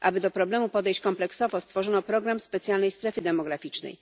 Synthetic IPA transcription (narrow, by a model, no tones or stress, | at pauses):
ʔa̰bɘd̪ɔpɾɔblɛmupɔd̪ɛjɕt͡ɕkɔmplɛksɔvɔst̪fɔʐɔnɔpɾɔɡɾamspɛt̪sʲjalnɛjst̪ɾɛfɘd̪ɛmɔɡɾafʲit͡ʂnɛ̰j